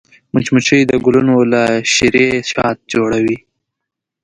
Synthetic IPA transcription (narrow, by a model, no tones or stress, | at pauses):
mʊt͡ʃmut͡ʃəjd̪əɡʊlunolaʃiɾeʃɑt̪̚d͡ʒoɽawi